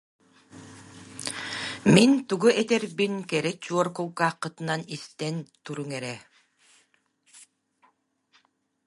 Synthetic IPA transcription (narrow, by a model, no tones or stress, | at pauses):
mint̪uɡuʔɛt̪ɛɾbinkɛɾɛt͡ɕuɔɾkɯlˠkaːqːɯt̪ɯnanist̪ɛnt̪uɾuŋɛɾɛ